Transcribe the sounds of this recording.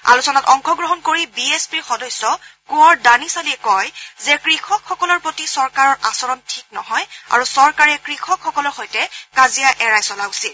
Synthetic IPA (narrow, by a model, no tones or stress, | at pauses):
a̰lusɔnatɔŋkɔɡɹɔɦɔnkoɹibiespiɹxɔdɔsːɔkuɔɹdanisaliɛkɔjzɛkɹixʰɔkʰxɔkɔlɔɹpɹotisɔɹkaɹɔɹʔasɔɹɔntʰik̚nɔ̰ɦɔja̰ɹusɔɹkaɹɛkɹixʰɔkxɔkɔlɔɹxojtɛkazijaʔɛɹajsɔlausil